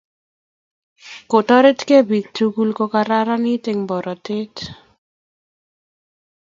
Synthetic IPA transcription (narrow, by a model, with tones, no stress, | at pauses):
ko˨tɔ˦ɾe˦tke˦bi˨k̚tu˦ɡu˦lkɔ˦ka˦ɾa˦ɾa˦ni˦tɪ˨ŋbɔ˨ɾʔɔ˨tɪ˦t